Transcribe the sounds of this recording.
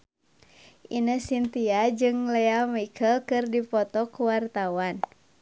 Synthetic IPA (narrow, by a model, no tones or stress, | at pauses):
ʔinəhsint̪iad͡ʒɨŋlɛamikʰəlkɨrdipɔt̪ɔkuwart̪awan